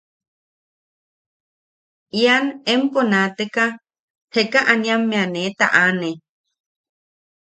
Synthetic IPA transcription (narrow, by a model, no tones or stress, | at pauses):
ianemponat̪eka | hekaʔanĩãmːẽanet̪a̰ʔane